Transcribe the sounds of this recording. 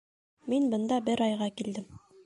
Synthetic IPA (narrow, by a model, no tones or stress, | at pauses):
minbɤ̆nd̪ɑbɘɾɑjʁɑkild̪ɘm